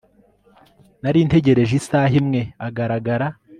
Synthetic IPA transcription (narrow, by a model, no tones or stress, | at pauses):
naɾiːnte̞ɟe̞ɾe̞ʒisaːɦimŋe̞aɡaɾaɡaɾa